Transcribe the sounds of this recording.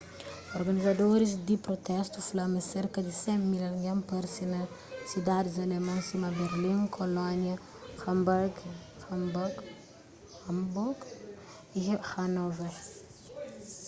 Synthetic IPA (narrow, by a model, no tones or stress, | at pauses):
oɾɡɐnizɐd̪oɾis̬d̪ipɾot̪ɛst̪ufulɐmɐseɾkɐd̪isɛ̃mmːilɐlŋɡɛmpɐɾsinɐ | sid̪ad̪izɐlemɐ̃nsimɐbeɾlĩŋkʰolɔnjɐ | xɐmbaɾɡ | xɐmbɡ | ɐmbuɡ | ixɐnɔvɐ